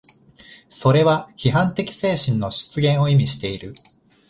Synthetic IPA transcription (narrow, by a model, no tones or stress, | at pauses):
so̞ɾe̞βaçiɦãnt̪e̞kʲi̥se̞ːɕĩnːo̞ɕi̥t͡sɨɡẽ̞ɰ̃o̞imʲiɕi̥t̪e̞iɾɯ